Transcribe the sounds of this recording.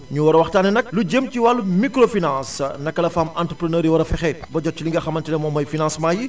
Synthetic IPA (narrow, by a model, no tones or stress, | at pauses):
ɲuwɐɾɐwɐxtaːnɛnɐk̚luɟemciwalːumikɾofinãsnɐkːɐlɐfamãntɾəpɾənəːɾjiwɐɾɐfɛxɛbɔɟɔt͡ʃiliŋɡɐxɐmɐntɛlɛmɔːmːɐjfinãsmaːji